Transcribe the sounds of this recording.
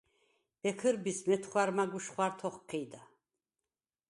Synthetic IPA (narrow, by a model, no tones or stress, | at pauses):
b̥ɛkʰəɾbismɛt̪ʰχwaɾmaɡuʃχwaɾt̪ʰɔχqʰid̪a